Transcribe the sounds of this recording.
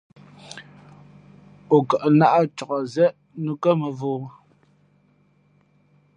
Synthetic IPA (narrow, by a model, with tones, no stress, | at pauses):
o˨kə˨ʔna˦ʔa˦t͡ʃɔ˨ʔɔ˨zɛ˦ʔ | nu˦kə˦mə˨voː˨˦